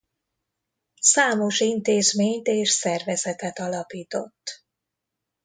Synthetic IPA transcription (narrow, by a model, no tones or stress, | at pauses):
saːmo̞ʃint̪eːzmeːɲt̪eːʃsɛrvɛzɛt̪ɛt̪ɒlɒpiːt̪o̞̰t̪ː